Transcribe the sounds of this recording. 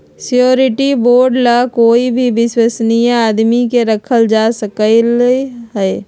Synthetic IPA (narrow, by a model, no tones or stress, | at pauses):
sijoːɾɪʈiboːɾɖlakoːibʱibɪswəsnijaaːd̪mikeɾəkʰəld͡ʒaːsəkəlɦɛː